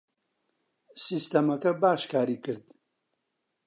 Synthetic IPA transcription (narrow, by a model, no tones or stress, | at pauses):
sist̪ɐmɐkɐbaːʃkʰaːɾiːkɨɾd̪